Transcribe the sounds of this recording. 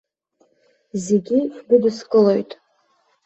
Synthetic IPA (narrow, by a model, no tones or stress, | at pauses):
zeɡʲidɨdɨskʼɨlojtʼ